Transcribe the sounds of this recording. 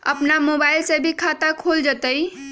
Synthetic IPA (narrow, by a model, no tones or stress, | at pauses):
ə̰pnamobaɪlsebʱikʰat̪akʰold͡ʒət̪əj